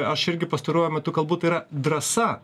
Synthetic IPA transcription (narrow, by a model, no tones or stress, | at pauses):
ɐʃɪɾʲɡʲɪpɐst̪ɐɾuɔjomʲɛt̪ʊkɐlˠbuːt̪iːɾɐd̪ɾɐsɐ